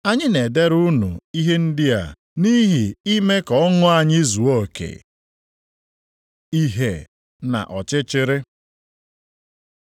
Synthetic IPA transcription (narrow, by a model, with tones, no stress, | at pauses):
a˦ɲɪ˦ne˨de˦ɾu˦nṵ˨i˦ɦe˦n̩˦dɪ˦a̰˨ | ni˦ɦi˨i˦me˦kɔ˨ɔ˦ŋʊ˦a˨ɲɪ˦zu˨o˦˨kḛ˨ | i˦ɦe˨ | na̰˨ʔɔ˨t͡ʃɪ˦t͡ʃɪ˦ɾɪ˦